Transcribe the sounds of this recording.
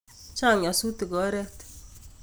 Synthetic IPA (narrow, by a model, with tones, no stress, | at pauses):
t͡ʃa˦˨ŋa˨su˦t̪i˨ɡɔ˨˦ɾɛ˦t̪